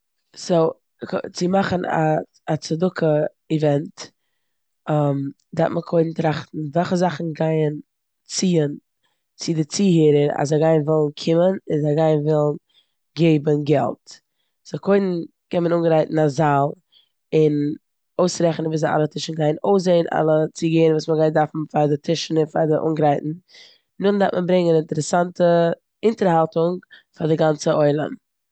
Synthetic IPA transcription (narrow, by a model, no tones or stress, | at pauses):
so | t͡sɪmaχəna̰ | at͡sadʊkʰə | ivɛnt | am | datməkʰoɪdn̩tɾaχtn̩vɛlˠχəzaχn̩ɡaɪən | t͡siːən | t͡sɪdɪt͡siːɦiːɾəɾa̰zaɡaɪnvɪlˠn̩kʰɪmənɪnzaɡaɪnvɪlˠn̩ | ɡeɪbənɡɛ̰lˠt | z̥akʰoɪdn̩ | kɛnmənuːnɡəɾaɪtn̩azalˠ | ɪn | oʊsɾɛχnənviːzaa̰lˠətʰɪʃn̩ɡaɪnoʊs̬eɪnʔa̰lˠət͡siɡeːnvuːsməɡaɪndaɾfn̩faɾdɪtʰɪʃn̩ɪnfa̰dɪʔṵnɡɾaɪtn̩ | nʊndaɾtmʔənbɾɪŋənɪntəɾɛsantə | ɪntəɾhalˠtʊŋfadɪɡant͡səɔɪlˠə̰n